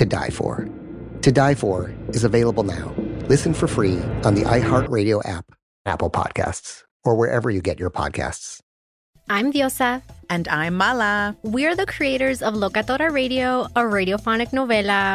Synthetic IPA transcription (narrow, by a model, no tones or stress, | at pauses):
tɨda̰ɪfə̰˞ | tʰɨdaɪfə˞ɨzəveɪlˠəbl̩ˠna̰ʊlɪsɨ̃nfə˞fɹiə̃nðḭʔaɪɦɑɹt̚ɹeɪɾioʊʔæ̰p | æ̰pl̩ˠpʰɑ̰d̥̚kʰæ̰sts | ə˞wəɹʔɛ̰və˞jɨɡɛt͡ʃə˞pʰɑ̰d̥̚kʰæ̰sts | ãj̃mðjosaɨ̃ndãjmːalawiaɹðəkʰɹieɪɾəɹzɔvlokat̪oɾaɹeɪɾioəɹejɾiofɔnɪknovela